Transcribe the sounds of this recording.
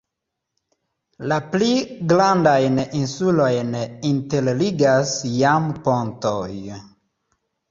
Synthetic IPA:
lapliɡlandajninsulojnintelliɡasjampo̞ntoj

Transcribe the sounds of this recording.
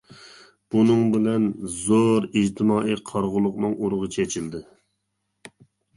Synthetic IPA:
b̥unɨŋbɪlɛnzoɾid͡ʒt̪ʰɪmɑːiqʰɑɾʁʊlˠʊqnɨŋuɾʊʁɨt͡ʃʰɛt͡ʃʰild̪ɪ

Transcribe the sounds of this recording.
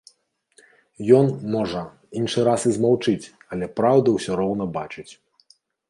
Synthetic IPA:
jɔnmɔʐɐ | inʂɨɾasizmawt͡ʂɨt͡sʲ | ɐlʲɛpɾawd̪ɐwsʲɔɾɔwn̪ɐbat͡ʂɨt͡sʲ

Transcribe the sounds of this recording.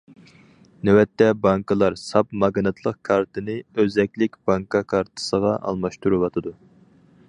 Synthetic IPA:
nɛwɛt̪ːɛbɑŋkɨlˠɑɾsɑpmɑɡnɨt̪ʰlˠəqkʰɑɾt̪ʰɨnɨøzɛkʲlɪkʲb̥ɑŋkʰɑkʰɑɾt̪ʰɨ̥səʁɑʔɑ̰lˠmɑʃt̪uɾɨwɑt̪ʰɨd̪u

